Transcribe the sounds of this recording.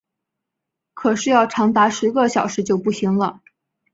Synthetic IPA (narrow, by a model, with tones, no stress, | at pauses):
kʰɤ˨˩ʂɻ̩˥˧jɑ˥˩ʊʈ͡ʂʰɑ˧˥ŋt̪a˧˥ʂɻ̩˧˥ɡə˥˧ɕjɑ˨˩ʊʂɻ̩˧˥t͡ɕjo˥˧ʊpu˥˩ɕi˧˥ŋlə˧